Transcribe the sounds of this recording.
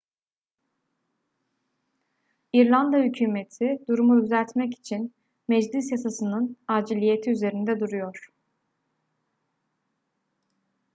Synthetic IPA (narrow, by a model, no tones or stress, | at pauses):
iɾlʲˠand̪ahycʰyːme̞t̪ʰid̪uɾumuyzælʲt̪mɛci̥t͡ʃʰin | mɛd͡ʒlʲisjasasɯnɯnaːd͡ʒilʲije̞t̪ʰiyze̞ɾind̪ɛd̪uɾujo̞ɾ̥